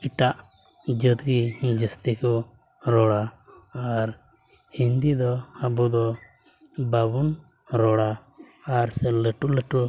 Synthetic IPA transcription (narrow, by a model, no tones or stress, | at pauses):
iʈaʔ | d͡ʒəd̪ɡid͡ʒəst̪ikɔ | ɾɔɽaaɾ | hind̪id̪ɔhabud̪ɔ | babun | ɾɔɽa | aɾsɛləʈuləʈu